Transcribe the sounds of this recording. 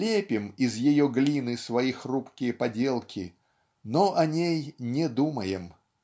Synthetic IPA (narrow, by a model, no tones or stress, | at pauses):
lʲepʲɪmiɪzjɪjoɡlʲinɨsvɐixrupkʲɪjəpɐdʲelˠkʲʰɪ̰ | noʔɐnʲejnʲɪd̪uməjɪm